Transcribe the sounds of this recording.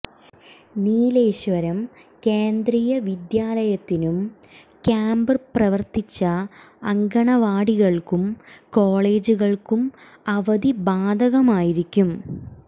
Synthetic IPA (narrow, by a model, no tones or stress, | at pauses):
niːleːɕʋɐɾɐm | keːnd̪rijɐʋid̪jaːlɐjɐt̪ːinum | kaːmbɐrprɐʋɐrt̪it͡ɕːɐː | ŋɡɐɳɐʋaːɽiɣɐɭkumko̞ːɭe̞ːd͡ʑuɣɐɭkum | ɐʋɐd̪ibaːd̪ʱɐɣɐmaːjiɾikʲːum